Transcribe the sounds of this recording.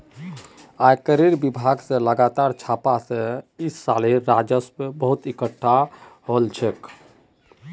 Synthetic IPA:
ajkəɾiɾbibʱaɡseləɡat̪aːɾt͡ʃʰapasẽisːaliɾad͡ʒəspebəɦut̪ikəʈʰːaɦolt͡ʃʰek

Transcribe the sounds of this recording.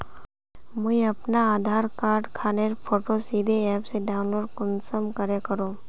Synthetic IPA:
mɐiɐpnaaːd̪ʱaːɾkaːɾɖkʰaːneɾpʰoːʈosiːd̪ʱeɛːpseɖaːʊ̃nloːɖkɔnsəmkəɾekəɾoː

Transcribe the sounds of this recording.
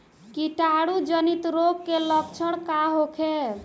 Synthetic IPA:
kiʈaɽud͡ʒənit̪ɾokkelək̚t͡ʃʰəɽ̃kaɦokʰe

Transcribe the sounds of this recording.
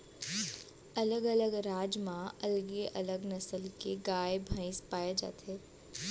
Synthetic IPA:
ɐləɡɐləɡɾaːd͡ʒmãɐlɡeʔɐ̰ləɡnɐsəlkeɡaːebʱə̃ɪspaːjed͡ʒa̰ːt̪ʰeː

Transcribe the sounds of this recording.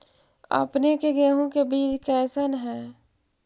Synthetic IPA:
ə̰pnekeɡɛːɦõkebiːt͡ʃkɛːsənɦɛː

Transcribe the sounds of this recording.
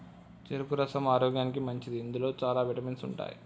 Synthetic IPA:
t͡ʃeɾupuɾɐsɐmaːɾoːɡjaːnikimɐɲt͡ʃid̪iːnd̪ulo̞ːt͡ʃaːlaːʋiʈɐminsuɳʈa̰ːjḭ

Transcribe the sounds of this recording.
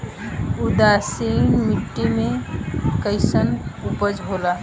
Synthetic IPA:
ud̪asimiʈːimekəɪsənupəd͡ʒɦola

